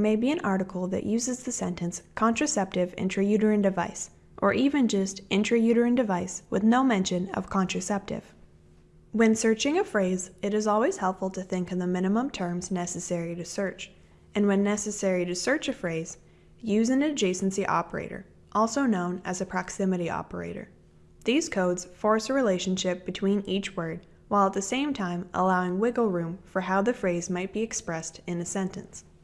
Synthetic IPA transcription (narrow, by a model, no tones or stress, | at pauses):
meɪbiɨ̃nʔɑɹɾɨkʰl̩ˠðɨ̰ʔjʉzɨzðɨsɛ̃ntɨ̃nskʰɑ̃ntɹ̥ɨsɛp̚tɨvɪ̰̃ntɹ̥ɨjʉɾə˞ɨ̃ndɨvaɪs | ʔə˞ʔivɨ̃nd͡ʒʌstʔɪ̃ntɹ̥ɨjʉɾə˞ɨ̃ndɨvaɪswɨ̰ðnoʊmɛ̃nʃɨ̃nʌ̰v̥kʰɑ̃ntɹ̥ɨsɛp̚tɪ̰v̥ | wɨ̃nsɜ˞t͡ʃɪ̃ŋɨfɹeɪzɨɾɨzɔlˠwiz̥hɛlˠpfl̩ˠtʰɨθɪ̃ŋkʌvðɨmɪ̃ñɨmə̃mtʰɜ̃˞mznɛsɨsɛɹiɾɨsɜ˞t͡ʃ | ɨ̃nwɨ̃nːɛsɨsɛɹiɾɨsɜ˞t͡ʃɨfɹeɪz̥ | jʉzɨ̃nɨd͡ʒeɪsn̩siʔɑ̰pə˞ḛɪɾə̰˞ | ʔɔlˠsoʊnõʊ̃nɨ̰zɨpʰɹ̥ɑksɪ̃mɨɾiʔɑ̰pə̰˞ḛɪɾə̰˞ | ðiz̥kʰoʊdz̥fɔɹsəɹileɪʃɨ̃n̩ʃɪp̚b̥ɨtʰw̥ĩnit͡ʃwɜ˞d̚ | waɪlˠət̪̚ðɨsẽɪ̃mtʰãɪ̃mʔə̰laʊɪ̃ŋwɪɡl̩ˠɹʉ̃ɱfə˞ɦaʊðɨfɹeɪzmaɪt̚b̥iɨkspɹɛstɨ̃nɨsɛ̃ntɨ̰̃ns